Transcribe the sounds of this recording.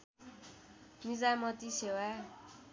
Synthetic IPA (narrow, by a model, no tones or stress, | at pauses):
mid͡zamʌt̪isewa